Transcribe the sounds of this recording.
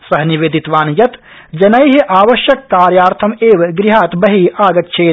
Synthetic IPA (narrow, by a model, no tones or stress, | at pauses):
sɐɦniʋeːd̪it̪ʋaːnjɐt̪ | d͡ʒɐnɐjɦiʔaːʋɐʃjɐkːaːɾjaːɾt̪ʰɐmeːʋɡɾiɦaːt̪bɐɦiaːɡɐt̪̚t͡ʃʰeː